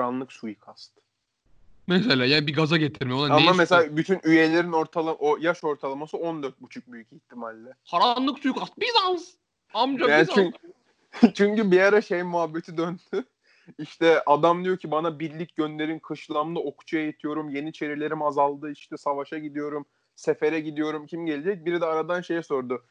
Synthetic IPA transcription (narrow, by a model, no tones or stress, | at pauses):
anlˠɯksujukʰast̪ | mɛselʲaːjaːnbiɡazaɟet̪ʰiɾmijolˠanamameseaabyt̪ʰynʔyje̞lʲe̞ɾino̞ɾt̪ʰalˠaʔojaʃo̞ɾt̪ʰalˠamasɯo̞nd̪øɾt̪̚but͡ʃʰuk̚byjyciçt̪ʰːimalʲːɛkʰaɾanlˠɯksujukast̪̚bizanz | amd͡ʒajaːnit͡ʃ | t͡ʃʰyɲcybijaɾaʃejmuɦabːe̞t̪ʰid̪ønd̪̥y | iʃt̪ʰɛʔad̪amd̪ijo̞ɾcʰibanabiɾlʲicɟønlʲe̞ɾinkʰɯʃlˠamlˠɯo̞kʰu̥t͡ʃʰajejit̪ʰijo̞ɾumje̞nit͡ʃʰe̞ɾilʲe̞ɾimazalˠd̪ɯiʃt̪ʰɛsavaʃaɟid̪ijo̞ɾum | se̞fe̞ɾɛɟid̪ijo̞ɾumcʰimɟe̞lʲed͡ʒɛc̚biɾid̪ɛaɾad̪anʃe̞jɛso̞ɾd̪ʊ